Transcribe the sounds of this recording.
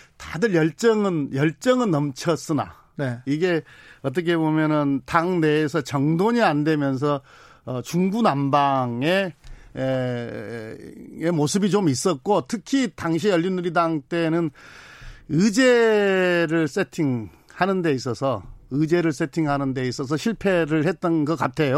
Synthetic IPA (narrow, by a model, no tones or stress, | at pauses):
tadɯɾjʌɭt͡ɕ͈ʌŋɯnjʌɭt͡ɕ͈ʌŋɯnːʌmt͡ɕʰʌs͈ɯna̰ | neiɡe̞ʌt̬͈ʌkʰe̞bomjʌnɯntaŋne̞ːs̬ʰʌt͡ɕʌŋdoɲiande̞mjʌns̬ʰʌː | t͡ɕuŋɡunambaŋe̞ | emosʰɯbit͡ɕomis͈ʌt̚k͈otʰɯkʰitaŋɕʰiʌʎːinːuɾidaŋt͈e̞nɯn | ɯd͡ʑe | ɾɯɭs͈e̞tʰiŋ | hanɯnde̞is̬͈ʌsʰʌɯd͡ʑe̞ɾɯɭs̬͈e̞tʰiŋɦanɯnde̞is͈ʌs̬ʰʌɕʰiɭpʰe̞ɾɯɭhet̚t͈ʌnɡʌk͈atʰe̞jo